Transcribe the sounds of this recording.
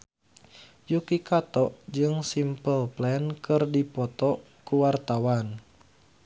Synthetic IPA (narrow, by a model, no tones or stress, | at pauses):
jukikat̪ɔʔd͡ʒɨŋsimpəlplɛnkɨrdipɔt̪ɔ | kuwart̪awan